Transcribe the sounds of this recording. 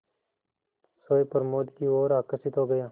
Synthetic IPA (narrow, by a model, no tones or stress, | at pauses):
soːepɐɾmoːd̪kioːɾaːkəsɪt̪ɦoːɡəjaː